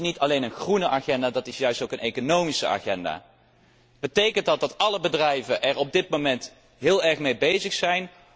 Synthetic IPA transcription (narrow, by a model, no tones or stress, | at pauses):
nitɑlejnənχrunəʔaχɛndaːdɑtɪsjœɥstowkənejkonowmisəa̰ːχɛnda̰ː | b̥ətejkəntdɑt̚dɑtɑləbədrɛjvəʔɛɹɔb̚dɪt̚momɛnt | ɦɪːlˠɛɹχmejbejzəχsɛjn